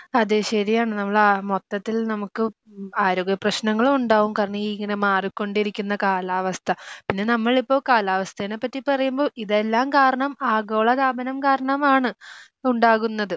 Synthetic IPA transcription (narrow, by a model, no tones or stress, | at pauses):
ɐðeɕɐɾijaːɳɨnɐmːɐɭamo̞t̪ːɐt̪ːilnɐmukːɨ | aːɾoːɡjɐprɐɕnɐŋːɐɭumuɳɖaːɣumkaːɾɐɳɐmiːiŋːɐne̞maːrikːo̞ɳɖiɾikʲːunːɐkaːlaːʋɐst̪ʰɐpinːe̞nɐmːɐɭipːo̞ːkaːlaːʋɐst̪ʰɐinepːɐtːipɐrɐjumbo̞ːʔiðe̞lːaːmkaːɾɐɳɐmaːɡo̞ːɭɐkaːbɐnɐmkaːɾɐɳɐmaːɳɨ | uɳɖaːɣunːɐðɨ